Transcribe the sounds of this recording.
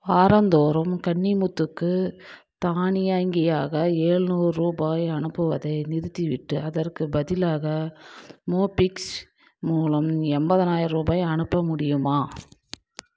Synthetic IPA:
aːɾɐnd̪oːɾɐmkɐɳːimʊt̪ːɯkːɯ | t̪aːɳɪjaːŋɡɐjaːɣɐeːɻɯnuːɾɯɾuːbaːjɐnɯpːɯʋɐðɐɪnɪɾɯt̪ːiʋɪʈːɯɐðɐrkɯbɐðɪlaːɣɐ | moːpɪks | muːlɐmɛmbɐðɐnaːjɪɾɾuːbaːjɐnɯpːɐmʊɽɪjɯmaː

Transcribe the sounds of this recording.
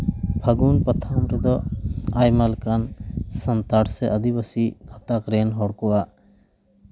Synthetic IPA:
bʰʱəɡunpət̪ʰamɾɛd̪ɔajmalkansənt̪aɽsɛʔəd̪ibəsiɡʱɔt̪akɾɛnɦɔɽkɔaʔ

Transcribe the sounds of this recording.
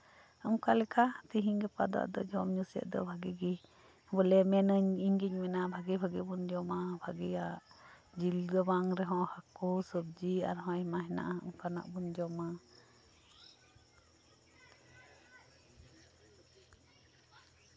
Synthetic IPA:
əŋkalɛkat̪iɦiɲɡɛpa̰d̪a̰ʔd̪ɔ̰d͡ʒɔmɲusɛ̰ʔ̚d̪ɔ̰bʱaɡɛɡi | bəlɛmɛnəɲiɲɡiɲmɛnabʱaɡɛbʱaɡɛbund͡ʒɔmabʱaɡɛjaʔ | d͡ʒilɡɔbaŋɾɛɦɔ̃hakusəb̚d͡ʒia̰ɾɦɔ̃jmaɦɛna̰ʔaə̰ŋkana̰ʔbund͡ʒɔma

